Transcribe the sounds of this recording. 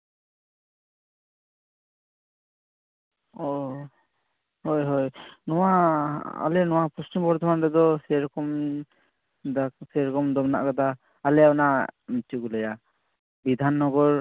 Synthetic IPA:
ɔ | hojɦɔjnɔwaa̰lɛnɔwapustimbɔɾd̪ʰʱɔmanɾɛd̪ɔsɛɾɔkɔm | d̪asɛɾɔkɔmd̪ɔbna̰ʔkad̪aː | lɛawnamt͡ʃiɡulɛja | bid̪ʱanːɔɡɔɾ

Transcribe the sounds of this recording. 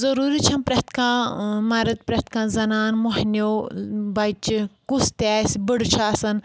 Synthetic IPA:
zɐɾuːɾit͡ʃʰɐnpɾɐt̪kãːmaɾɐt̪̚pɾɐt̪kãːzɐnaːnmoɦnʲoːbɐjt͡ʃkust̪aːsbɨɽt͡ʃʰasɐn

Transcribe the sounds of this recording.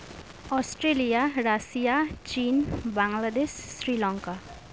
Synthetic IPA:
ɔsʈɾelijaɾasijat͡ʃiːnbaŋlad̪eʃːɾilɔŋka

